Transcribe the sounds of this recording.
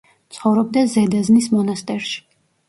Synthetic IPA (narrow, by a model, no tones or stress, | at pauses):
t̪sʰχɔvɾɔb̚d̪azɛd̪aznismɔnast̪ʼɛɾʃi̥